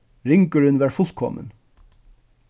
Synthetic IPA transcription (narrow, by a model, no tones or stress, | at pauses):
ɹɪŋkəɹənʋæːɹfʊlt̪kʰɔ̰mə̰n